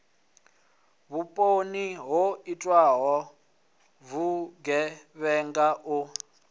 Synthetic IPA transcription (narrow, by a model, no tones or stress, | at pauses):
βupʼoniɦoitʼwaɦɔ | vuɡɛβɛŋɡaʔu